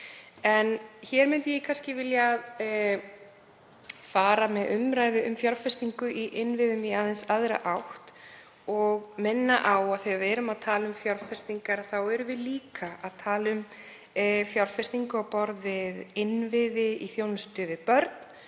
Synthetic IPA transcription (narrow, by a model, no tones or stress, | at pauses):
ɛnçɛːɾmʏnt̪ɪjɛkʰanscɪvɪljað | faːɾamɛðʏmɾaːjðɪʔʏmfjɔɾfɛst̪iŋkʏʔiʔɪnvɪðʏmiaðɛnsaðɾa̰ʔawht̪ | ɔɣmɪnːaʔawaðθiavɛɾʏmaðt̪ʰaːlʏmfjɔɾfɛst̪iŋkaɾθawɛɾʏvɪðliːkʰaʔaðt̪ʰaːlʏm | fjɔɾfɛst̪iŋkʏawpɔɾðvɪðɪnvɪðɪiθjownst̪ʏːðɪpœɾt̪n̥